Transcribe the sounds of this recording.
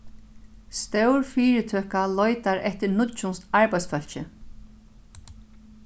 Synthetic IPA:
st̪œwɹfiːɾɪt̪ʰøːhkalɔjt̪aɾɛht̪ɪɾnʊt̪t͡ʃunsaɹpajt̪sfœl̥t͡ɕɪ

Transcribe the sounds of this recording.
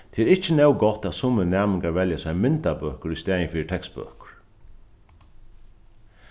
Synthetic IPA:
t̪ʰɛːɛɾɪht͡ʃənɛwɡɔt̪ːat̪sʊmənæːmɪŋkaɹʋɛljasɛjmɪnt̪abœːhkəɾist̪ɛːjənfiːt̪ʰɛkst̪̚bø̰ːkʊ̥ɹ̥

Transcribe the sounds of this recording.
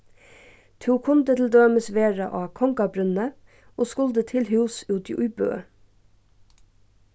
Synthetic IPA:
t̪ʰuːkʰʊnd̪ət̪ʰl̩d̪øːməsʋeːɹɑ̰ʔɑːkʰɔŋkɑbɾʉnə | ʔoːskʊld̪ət̪ʰɪlhʉːsʉːd̪ɪʔʊʏbø̰ː

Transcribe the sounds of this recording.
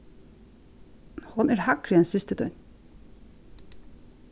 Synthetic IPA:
hʊnæːɹhɑkɾiːɛnsɪst̪əd̪œʏn

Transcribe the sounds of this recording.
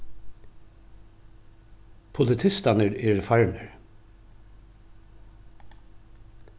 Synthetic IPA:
pʰʊlɪt̪ʰɪst̪ɑnəɾiːɹfɑɹɳəɹ

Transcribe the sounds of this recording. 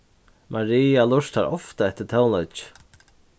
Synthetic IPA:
mʔaɾiːalʊʂt̪aɾɔ̰ft̪aɛht̪ɪt̪ʰɛwnɔt͡ʃ

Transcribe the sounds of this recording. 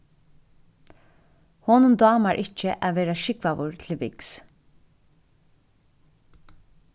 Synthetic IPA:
hɔːnʊnd̪ɑːmaɹʔɪt͡ʃːəʔaʋeːɾaʃɪkvaʋʊɹt̪ʰɪlʋɪks

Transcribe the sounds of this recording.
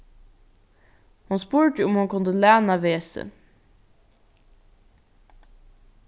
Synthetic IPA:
hʊnspuːɹʈəʊmhʊnkʰʊnd̪əlæːnaʋeːsə̰

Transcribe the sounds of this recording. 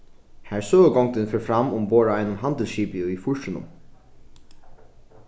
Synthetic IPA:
hæɹsøːʋəɡɔŋt̪ɪnfɛːɹfɾamʊmboːɹaajnʊnɦant̪ɪlʃiːpɪʊifʊɹʃɪnʊ̰m

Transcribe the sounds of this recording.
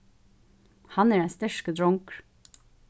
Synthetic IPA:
hɑnæːɖæst̪œʃkəd̪ɹɔŋkɹ

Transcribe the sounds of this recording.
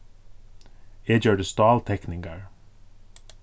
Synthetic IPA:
eːdjøːɖəst̪ɑːlt̪ʰɛknɪŋɡɑɹ

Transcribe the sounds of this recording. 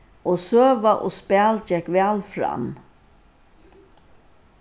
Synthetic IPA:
oːsøːʋaʔoːspæːld͡ʒɛkʋɛːlfɾa̰m

